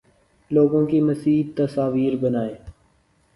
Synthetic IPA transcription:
loːɡõːkiːməsiːt̪əsaːʋiːɾbənaːeː

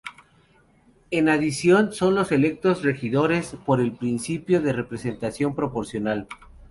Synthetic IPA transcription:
e̞naðisjo̞nso̞nlo̞se̞le̞k̚t̪o̞zre̞xiðo̞ɾe̞spo̞ɾe̞lpɾinsipjo̞ðe̞re̞pɾe̞se̞nt̪asjo̞mpɾo̞po̞ɾsjo̞nal

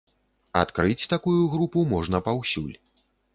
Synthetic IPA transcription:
a̰t̪kɾɨt͡sʲt̪akujuɣɾupumɔʐnɐpawsʲṵlʲ

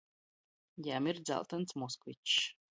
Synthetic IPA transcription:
jaːmɪrd͡za̰lˠtʰant͡sʰmoskʰvit͡ʃʰː

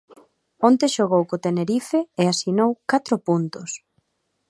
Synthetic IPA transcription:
ont̪eʃoɣowkot̪eneɾifeeasinowkat̪ɾʊpunt̪os

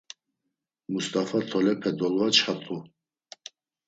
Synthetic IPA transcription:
must̪ʼafat̪ʰɔlɛpʰɛd̪ɔlvat͡ʃʰħat̪ʼu

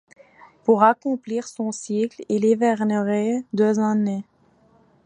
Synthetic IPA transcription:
puʁakɔ̃pliːʁsɔ̃siklilevɛʁnəʁed̪øːzane

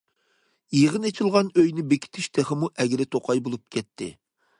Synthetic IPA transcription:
jeʁənet͡ʃʰilˠʁɑnøjnɪbekʲi̥t̪ʰɪʃt̪ʰeχɪmuʔɛɡʲɾɪt̪ʰoqʰɑjbolˠup̚kʲʰɛt̪ʰːɪ̰

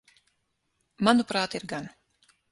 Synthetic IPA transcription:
manupɾaːt̪iɾɡan

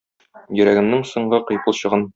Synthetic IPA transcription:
jɵ̆ɾæɡɘ̆mnɘŋsŏɴɢɤqɤ̆jpɤlˠɕɤ̆ʁɤn

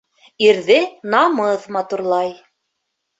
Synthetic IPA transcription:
iɾðɘnɑmɤðmɑt̪uɾlˠɑj

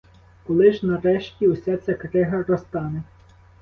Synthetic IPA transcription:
kɔlˠɪʒnɐɾɛʃtʲiwsʲat͡sʲɐkɾɪɦɐɾɔst̪ɑne

